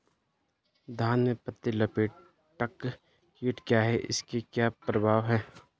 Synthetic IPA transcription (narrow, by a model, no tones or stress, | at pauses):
d̪ʱaːnmẽpɐt̪ːilɐpeːʈ̚ | ʈɐkː | kiːʈkjaːɦɛʔɪ̰skekjaːpɾɐbʱaːʋɦɛ̃ː